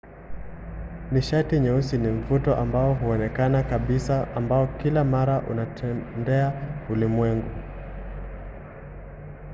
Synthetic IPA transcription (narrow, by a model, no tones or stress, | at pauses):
niʃatiɲɛusinim̩futɔʔambaɔɦuɔnɛkanakaɓisaambaɔkilamaɾaʔṵnatʰɛndɛaulimwɛŋɡu